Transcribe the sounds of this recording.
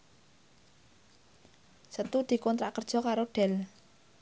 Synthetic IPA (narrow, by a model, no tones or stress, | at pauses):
sət̪ud̪̥i̤kɔnt̪ɾaʔkərd̥ʒ̥ɔ̤kaɾoɖ̥ɛl